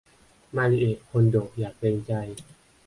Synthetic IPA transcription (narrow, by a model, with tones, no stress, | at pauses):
maː˧li˧ʔeː˨˩t̪̚kʰo˧ndoː˨˩k̚jaː˨˩k̚peː˧ŋt͡ɕa˧j